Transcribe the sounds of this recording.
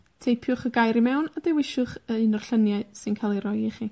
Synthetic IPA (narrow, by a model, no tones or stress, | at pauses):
tʰejpʰjʊχəɡajɾimɛwnadɛwɪʃʊχəɨnɔrɬənjaɨsɨnkʰalˠiɾɔjɪχi